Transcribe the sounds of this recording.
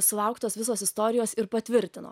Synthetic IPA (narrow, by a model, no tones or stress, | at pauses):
sʊlˠɐʊkt̪oːsʋʲɪsoːsɪst̪oːɾʲɪjoːsɪɾpɐt̪ʲʋʲɪɾʲt̪ʲɪno̰ː